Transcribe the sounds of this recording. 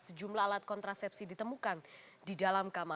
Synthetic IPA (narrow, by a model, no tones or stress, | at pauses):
səd͡ʒumlaalat̪̚kɔnt̪ɾasɛp̚sidit̪əmukandidalamkama